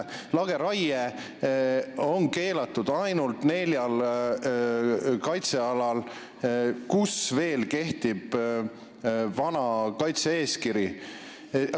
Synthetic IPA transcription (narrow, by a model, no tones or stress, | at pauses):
lɑɡ̥e̞ɾɑje | o̞nke̞ːlɑt̪ːˑud̪̥ɑjnult̪ne̞lʲjɑl | kɑjt̪se̞ɑlɑl | kusve̞ːlke̞ht̪ib̥ | vɑnɑkɑjt̪see̞ːskiɾji